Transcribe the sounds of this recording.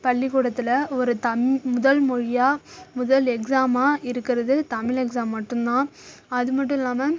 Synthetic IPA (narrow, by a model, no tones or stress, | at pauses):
pɐɭːɪkuːɽɐt̪ːɪlɐɔɾɯt̪ɐmmʊðɐlmɔɻɪjaːmʊðɐlɛksaːmaːɪɾɯkːɪɾɐðɯt̪ɐmɪlɛksaːmːɐʈːɯmnãːɐðɯmɐʈːɯ̃ɪlːaːmɐ